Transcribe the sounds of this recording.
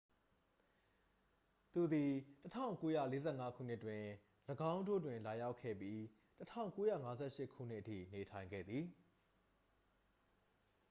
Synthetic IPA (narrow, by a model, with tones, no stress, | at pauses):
t̪u˨d̪i˨tətʰã̰˦˨ʊ̃ŋko˦jä̰˦˨le˦zɛ˦˨ŋa˦kʰṵ˦˨n̥ɪ˦ʔtwɪ̃˨ | ləɡã˦ʊ̃ndo̰˦˨dwɪ̃˨nla˨ja˦ʊkʰːɛ̰˦˨pji˦ | tətʰã̰˦˨ʊ̃ŋko˦jä̰˦˨ŋa˦zɛ̰˦˨ʃɪ˦ʔkʰṵ˦˨n̥ɪ˦ʔətʰḭ˦˨ne˨tʰã˨ɪ̃ŋɡɛ̰˦˨d̪ði˨